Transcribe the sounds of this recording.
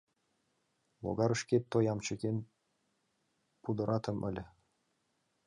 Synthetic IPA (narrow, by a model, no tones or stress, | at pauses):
lˠo̰ɡɑɾə̆ʃket̪ːojɑmt͡ɕə̆ken | pud̪ɤ̆ɾʔɑt̪ɤ̆mʔɘ̰̆lʲ